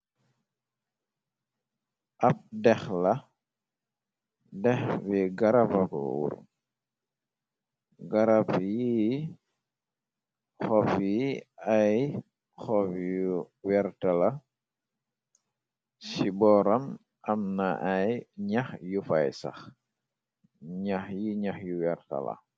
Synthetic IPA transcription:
ʔɐp̚dɛxlɐ | dɛxbiɡaɾapɐkɔ̰wṵɾ | ɡaɾapji | xɔfiaj | xɔfju | wɛɾtɐlɐ | sibɔɾɐm | ʔɐmnɐʔajɲaxjufajsɐ̰x | ɲaxjiɲaxjuwɛɾtɐ̰lɐ̰

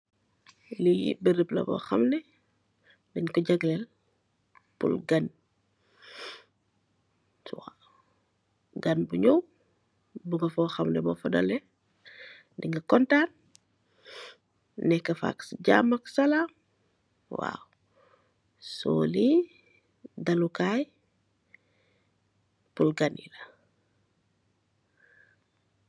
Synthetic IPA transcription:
lḭbəɾəplɐ̰bɔ̰xɐmnɛ | diɲkɔɟɐɡlɛl | pṵlɡɐn | swa | ɡɐnbuɲɔw | buŋɡɐfɔxɐmnɛbɔfɔdɔ̰lɛ | diŋɡɐkɔntan | nɛkːɐfa̰ksɟa̰mɐksalam | wa̰w | so̰ːli | dalukaj | pulɡanḭlɐ

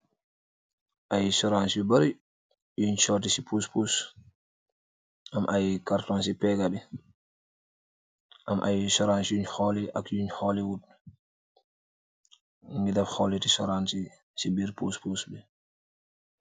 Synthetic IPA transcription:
ʔajsɔɾansibɛbaɾi | juɲt͡ʃɔtisipʰuspus | ʔamʔajkaɾtɔnsipɛɡabɛ | ʔamʔa̰jsɔɾansuɲhɔlɛʔa̰kjuɲhɔlɛwut | ŋɡidafhɔlɛtisɔɾansi | sibiɾpuspusbɛ

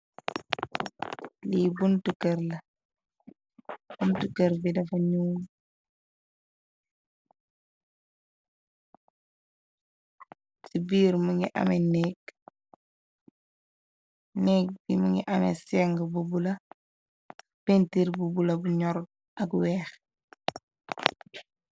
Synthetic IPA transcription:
libuntukəɾlɐ | b̥untukəɾbidɐfɐɲuːn | sibiːɾmuŋiʔɐ̰mɛnɛːk | nɛk̚bimuŋiʔɐmɛ̰sɛŋɡəbubulɐ | pentiɾbubulɐbuɲɔɾɡ̚ | ɐkwɛːx

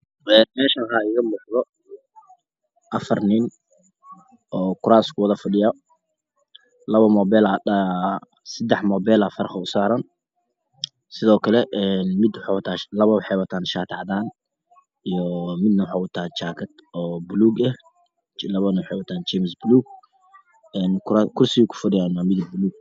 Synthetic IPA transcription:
ɛːnmɛːʃɐkaɪɣɐmʊːħðɔ | ʔɐfɐrnɪn | ʔɔːkʰʊɾaːskʰʊwɐðɐfɐɖɪjɐ | lɐβɐmɔːbɛːlaɐ | sɐd̪ɛħmɔːbɛlɐfɐɾχɐʊsaːɾɐn | sɪðɔːkʰɐlɛʔɛnmɪd̪wħɑwt̪ʰaːlɐβɐwħɑjwɐt̪ʰaːnʃaːt̪ʰɐʕðaːn | ijɔmɪd̪nɐwħaːwɐt̪ʰaːt͡ʃaːkʰɐt̪ʔɔːbʊluːɡɛh | t͡ʃlɐβɐnɐwħɛjwɐt̪ʰaːnt͡ʃɛmɪsbluːɡ̚ | ɛːnkakʰʊrsɪɣikʰʊ̥fɐɖɪjaːnwamɪðɪlbʊluːɡ̚

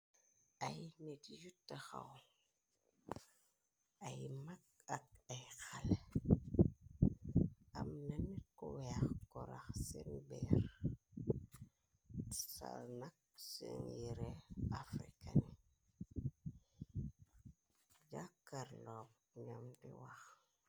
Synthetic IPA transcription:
ajnetijutːaxa̰w | ajmak̚ak̚ajxal | amnanet̚koweaxkoɾa̰xsenbeɾ | salnak̚seŋjiɾeafɾḭkani | d͡ʒakːaɾlop | ɲamtiwax

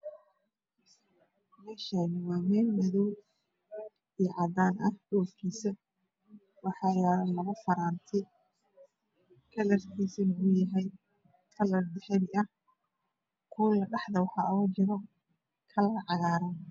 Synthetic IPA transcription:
mɛːʃanɪwaːmɛːnmɐðɔw | ijɔʕɑd̪aːnɐhɖɔːfkʰiːsɐ | wɑħɑːjɛɾlɐɣɐfɐɾaːnt̪ʰɛ | kʰɐlɐrkʰiːsɐlɐɣʊjɐɦɛj | kʰɐlɐrd̪ɛħɛðɪɐh | kʰuːlɐɖɑħðɐwħɑʔɔd͡ʒɪɾɔ | kʰɐlɐɣɐʕɑɣaːɾɐn

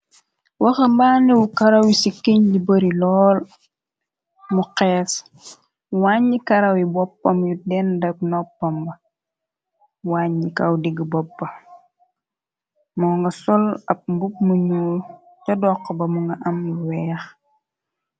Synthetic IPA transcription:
wɐxɐmbaːnɛwukɐɾɐwisikeɲɟibɐɾilɔːl | muqɛːs | waɲːikɐɾɐwibɔpːɐmjudɛndɐk̚nɔpːɐmbɐ | waːɲːikɐwdiɡibɔpːɐ | muŋɡɐsɔlɐp̚mbup̚muɲuːl | cɐdɔqːɔbɐmuŋɡɐʔɐmuwɛːx

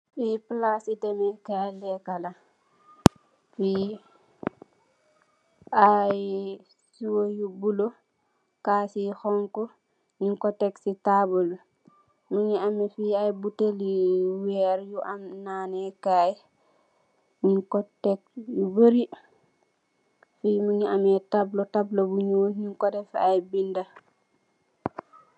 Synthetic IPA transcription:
fiplasitemikajlɛkala | fi | aj | siwojubulo | kasixɔŋkɔ | ɲiŋkɔtɛksitabol | muɲiamɛfiajbuteliwɛɾjuʔamnaːnɛkaj | ɲiŋkɔtɛk̚jubəɾi | fiːmuɲiamɛtablotablobuɲoːɲiŋkɔdɛfajbinda

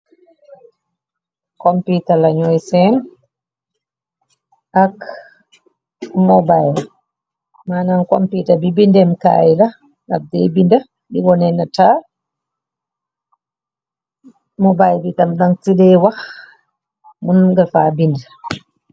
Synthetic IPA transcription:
kɔmpitalaɲɔjsɛn | ak | mɔbajl | maːnankɔmpitabibindɛmka̰jla | ŋa̰dɛbinda | diwɔnɛnataː | mɔbajlbitamɗaŋtidɛwax | munɡəlfaːbind

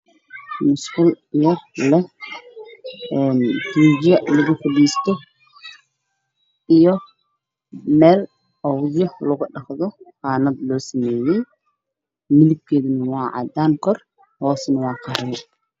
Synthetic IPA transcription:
mʊskʊl | jɐrlɛh | ɛːnd̪̥uːd͡ʒɐlɐɣʊfɐɖiːst̪ʰɔ | ijɔ | mɛːl | ɔwðjɔhlʊɣʊɖɑχðɔqɑːnɐd̪lɔːsɐmɛːjɛj | mɪlɪb̚kʰɛːðɐnɐwɑːʕɑ̰d̪aːŋkʰɔr | hɔːsnɐwɑːqʰɑɾɐɛ

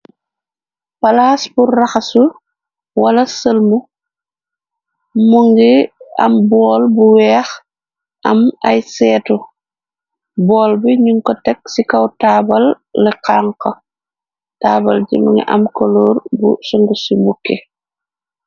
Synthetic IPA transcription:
palaːsburaxasu | walɐsəlmu | muŋɡiɐ̰mbɔːlbuwɛːx | ʔɐmajsɛːtɔ | bɔːlbiɲuŋkɔtɛk̚sikɐwtaːbɐlː | ɛqaːŋkɔ | taːbɐlɟḭmuŋɡḭʔɐmkoloːɾbṵsɔŋɡusibukːe

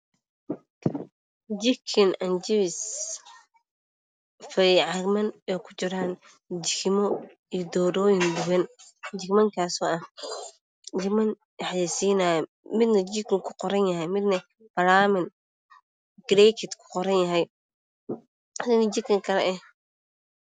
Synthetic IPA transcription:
d͡ʒɪkʰɪnɐnd͡ʒɪwɪs | fɐʕɑɾmɐnɛːkʰʊ̥t͡ʃɪɾaːn | d͡ʒɪkʰɪmɔ | ijd̪ɔːɾɔːjɪnd̪ʊwɛnd͡ʒɪkmɐŋkʰaːsɔːɐh | d͡ʒɪmɐn | ħjisiːnaːjɔ | mɪd̪nɐd͡ʒɪkɪŋkʰʊqɔɾɐnjɐɦɛjmɪd̪nɐ | b̥ɐɾaːmɪn | ɡɾɛkʰɪd̪kʰʊ̥qɔɾɐnjɐɦɛj | hɐd̪ɐnid͡ʒɪkʰɐŋkʰɐɾɐʔɛ

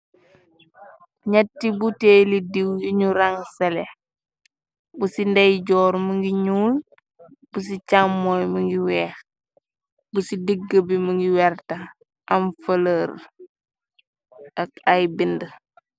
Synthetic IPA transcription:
ɲɐtːibuteːlidiwjuɲuɾaŋsɛlɛ | busindɛjɟɔːɾməŋɡiɲuːl | bus̬icamːɔjməŋɡiwɛːx | busidiɡːəbiməŋɡiwɛɾtɐ | ɐmfələɾ | ɐk̚ajbində

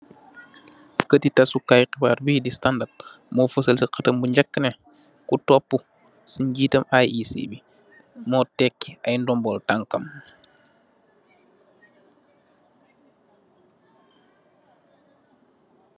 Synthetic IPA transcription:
kətitɐsukajqibaːrbidistandat̚ | mɔːfəsəlsiqɐtɐmbuɲɟɐkːənɛ | kutɔpːu | siɲɟiːtɐmajisḭbi | mɔːtɛkːiɐjndɔmbɔltaŋkɐm

